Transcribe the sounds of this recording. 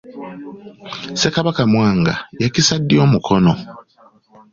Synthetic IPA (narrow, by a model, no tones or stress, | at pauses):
se̞kaβakamwaːŋɡa̰jecisadːjo̞ːmukʰono